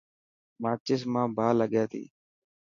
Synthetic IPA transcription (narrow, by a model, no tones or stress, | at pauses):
maːt͡ʃɪs̬mãːbʱaːləɠjaːt̪ʰḭː